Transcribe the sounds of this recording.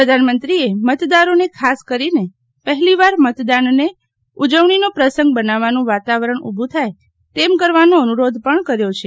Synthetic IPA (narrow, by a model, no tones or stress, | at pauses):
əd̪ʱanmənt̪ɾiemət̪d̪aɾonekʰaskəɾine | pəɦɛliʋaɾmət̪d̪anne | ud͡ʒəʋɳinopɾəsə̃ŋɡ̚bənaʋanũʋat̪aʋəɾəɳubʱũt̪ʰaj | t̪emkəɾʋanoənuɾod̪ʱpəɳkəɾjot͡ʃʰe